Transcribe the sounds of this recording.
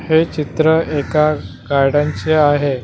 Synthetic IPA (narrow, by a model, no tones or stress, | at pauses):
het͡ɕit̪ɾəeka | ɡajɽãɲt͡ɕeaɦe